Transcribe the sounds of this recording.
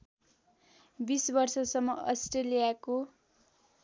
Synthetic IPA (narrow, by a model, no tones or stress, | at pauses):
bisbʌrsʌsʌmːʌʌsʈrelijako